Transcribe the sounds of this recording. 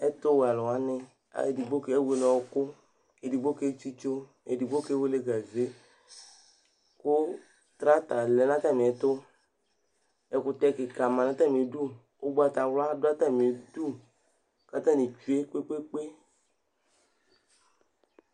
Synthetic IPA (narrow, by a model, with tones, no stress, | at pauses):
ɛ˦t̪ʊ˦we˨a˨lɔ˨wa˦nɪ˦ | a̰˦˨e˨di˨ɡ͡bo˦ke˨˦e˦we˨˦nɔ̃˨wo˦kʊ˦ | e˨di˨ɡ͡bo˦ke˦t͡ʃi˦t͡ʃo˦ | e˨di˨ɡ͡bo˦ke˦we˦le˦ɡa˨ze˦ | kʊ˦ | t̪ɾa˦t̪a˨lɛ˨nã˦t̪a˦mĩ˨ɛ˨t̪ʊ˦ | ɛ˨kʊ˨t̪ɛ˦kɪ˨ka˨ma˨na˦t̪a˦˨mĩ˨e˨˦du˦ | o˦ɡ͡ba˦t̪a˨wla˦dʊ˦a˦t̪a˦˨mi˨du˦ | ka˨t̪ã˦ni˨t͡ʃu˦e˦ke˦k͡pe˦k͡pe˦